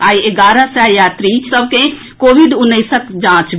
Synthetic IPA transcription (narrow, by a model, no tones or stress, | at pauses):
aieɡaɾəseajaːt̪ɾit͡ʃʰsəbkẽ | kobʱiɖunːəsəkd͡ʒãt͡ʃ